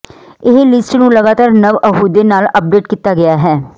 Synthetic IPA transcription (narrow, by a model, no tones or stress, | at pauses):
ɪɦlɪsʈnũːləɡaːt̪aːɾnəʋəɦuːd̪eːnaːləp̚ɖeːʈkit̪ːaːɡɪaːɦɛː